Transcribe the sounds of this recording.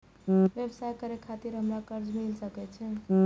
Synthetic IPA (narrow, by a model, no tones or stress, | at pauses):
ʋebsajkəɾekʰat̪iɾɦəmɾakəɾd͡ʒmilsəkɛt͡ʃʰɛ